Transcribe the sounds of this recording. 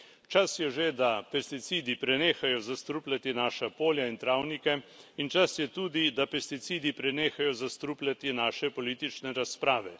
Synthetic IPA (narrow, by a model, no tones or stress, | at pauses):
t͡ʃasjɛʒed̪apɛst̪it̪siːd̪ipɾɛneːxajɔzast̪ɾuplʲat̪inaːʃapoːljaint̪ɾawnikɛint͡ʃasjɛt̪uːd̪id̪apɛst̪it̪siːd̪ipɾɛneːxajɔzast̪ɾuplʲat̪inaːʃɛpɔliːt̪it͡ʃnɛɾaspɾaːʋɛ